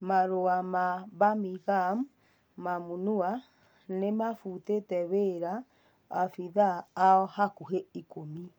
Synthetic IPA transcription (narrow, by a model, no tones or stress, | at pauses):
maɾoamaβamiɣam | mamunua | nemafutetɛβeɾaː | fiðaːɔhakuɦeikomi